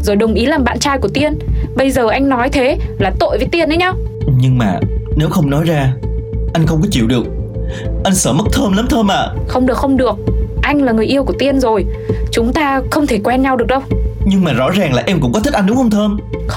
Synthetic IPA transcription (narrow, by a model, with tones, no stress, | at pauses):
zo˨˩jɗə˨˩wŋ͡mʔi˨˦laː˨˩ɓa̰ː˧˨nt͡ɕaː˧jku˧˩ət̪i˧ənɓə˧jzəː˨˩ʔa˧jŋnɔ˨˦jt̪ʰe˨˦laː˨˩t̪o̰˧˨jvə˨˦jt̪i˧ənʔə˨˦jɲa˧wɲɨ˧ŋmaː˨˩ne˨˦wxə˧wŋ͡mnɔ˨˦jzaː˧ʔa˧jŋ̟xə˧wŋ͡mkɔ˨˦t͡ɕi˧˩əwɗɨ˨˩ək̚ʔa˧jŋ̟səː˧˩mə˦˥k̚t̪ʰəː˧mləː˨˦mt̪ʰəː˧mʔa̰ː˧˨xə˧wŋ͡mɗɨ˨˩ək̚xə˧wŋ͡mɗɨ˨˩ək̚ʔa˧jŋ̟laː˨˩ŋɨ˨˩əjʔi˧əwku˧˩t̪i˧ənzo˨˩jt͡ɕʊ˨˦ŋ͡mt̪aː˧xə˧wŋ͡mt̪ʰe˧˩kwɛ˧nɲa˧wɗɨ˨˩ək̚ɗə˧wɲɨ˧ŋmaː˨˩zɔ̰˧˥zaː˨˩ŋlaː˨˩ʔɛ˧mkʊ̰˧˥ŋ͡mkɔ˨˦t̪ʰi˦˥ʔa˧nɗʊ˨˦xə˧ŋ͡mt̪ʰəː˧m